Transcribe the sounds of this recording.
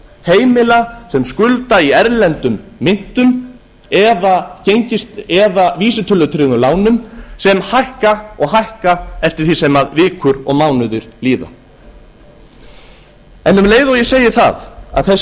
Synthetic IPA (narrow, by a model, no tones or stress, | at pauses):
heːjmɪlasɛmskʏlt̪aiɛɾlɛnt̪ʏmːɪŋ̥t̪ʏm | ɛðacejɲcɪst̪ɛðaviːsɪt̪ʰʏlœt̪ʰɾɪɣʏlaːwnʏmsɛmhajhkaɔɣɦajhkaɛft̪ɪɾ̥θisɛmaðvɪːkʰʏɾɔ̰ɣmawnʏðʏɾliːva̰ | ɛnʏmleːjðawjɛseːjɪɾθa̰ða̰ðθɛs